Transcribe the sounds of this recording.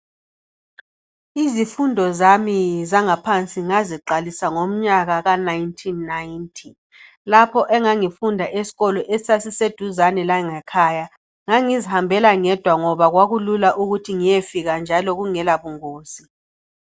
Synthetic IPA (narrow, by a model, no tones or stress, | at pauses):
izifundʱɔzamizaŋapʰant͡sʼiŋaziǃalisaŋom̩ɲaɣaɣanajntʰinːajntʰi | lapʰɔʔɛŋaŋifundʱaʔesi̥ɣɔlɔʔesasised̥ʱuzanɛlaŋɛkʰaːja | ŋaŋizihambʱɛlaŋɛd̥ʱwaŋɔβaɣwaɣululaʔuɣutʰiŋijefiɣand͡ʒʱalɔɣuŋɛlaβuŋoːsi